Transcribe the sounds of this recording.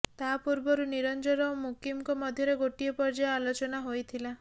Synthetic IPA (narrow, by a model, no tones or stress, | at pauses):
t̪apuɾbɔɾuniɾɔnd͡ʒɔɾɔomukimkɔmɔd̪ʱjɔɾeɡoʈiɔpɔɾd͡ʒaalot͡ʃɔnaɦojt̪ʰila